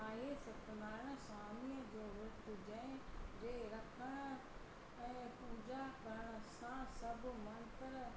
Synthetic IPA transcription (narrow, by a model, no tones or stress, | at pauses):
aːɦesɐt̪naːɽ̃saːmiəd͡ʑoːʋʊt̪d͡ʑɛ̃ɪ̃d͡ʑeːɾɐkʰəɽ̃ | ɛ̃ːpʊːd͡ʑakəɾəɽ̃sãsɐbmɐ̃nt̪əɾ